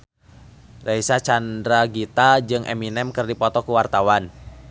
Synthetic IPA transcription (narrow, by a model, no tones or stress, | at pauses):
raisat͡ʃandɾaɡit̪ad͡ʒɨŋʔɛ̰minɛmkɨrdipɔt̪ɔkuwart̪awan